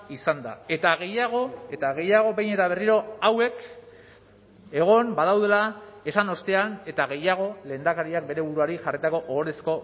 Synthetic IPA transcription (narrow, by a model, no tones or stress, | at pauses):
isand̪a̰e̞t̪aɣe̞jaɣ̞o̞e̞t̪aɣe̞jaɣ̞o̞be̞jɲne̞t̪aβe̞riɾo̞awe̞k | e̞ɣ̞o̞mbað̞awðe̞lae̞sano̞st̪e̞ane̞t̪aɣe̞jaɣ̞o̞le̞ːnd̪akaɾiak̚be̞ɾe̞β̞uɾuaɾiʝarit̪ako̞ʔoɣoɾesko̞